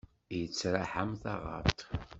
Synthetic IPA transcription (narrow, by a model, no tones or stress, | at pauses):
jət͡sːɾaħamθɑʁɑ̰ɾt̪